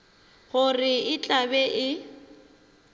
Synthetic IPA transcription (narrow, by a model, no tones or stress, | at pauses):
ɣʊrɪɪt͡ɬʼabɛʔɪ